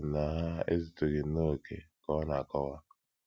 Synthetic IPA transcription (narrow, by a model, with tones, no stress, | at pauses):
na˨ɦa˦ḛ˦zi˨to˨ɡe˨˦no˦˨kḛ˨kɔ˦na˨kɔ˦wa˦